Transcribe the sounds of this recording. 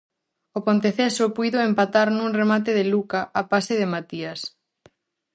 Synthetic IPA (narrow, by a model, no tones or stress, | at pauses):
opont̪eθesʊpujðoempat̪aɾnũŋremat̪̬eðɪlukaʔapasɪðɪmat̪ias